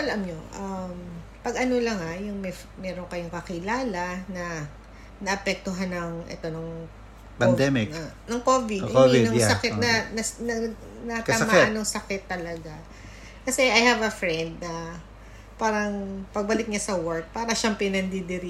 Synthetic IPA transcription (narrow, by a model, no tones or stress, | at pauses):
ʔɐlɐmɲoʔɐm | pɐɡɐno̞lɐŋajʊŋmɛ | mɛɾoŋkɐjoŋkɐkɪlaːlɐnɐ | nɐʔɐpɛk̚t̪oɦanːɐŋʔɛ̰t̪o̞nɐŋ | pɐnd̪ɛmɪk̪ɐnɐŋkovɪd̪oidnɐŋsɐkɪt̪̚nɐnɐnɐ | nɐt̪amaɐnoŋsɐkɪt̪ːɐlɐɡa | kɐsɛʔɐjhɐvɐfɹɛnd̪̚nɐ | paːɾɐŋpɐɡ̚bɐlɪk̚ɲasɐwɔɹk̚paːɾɐʃɛmpɾɛnɐnd̪ɪd̪ɪɾi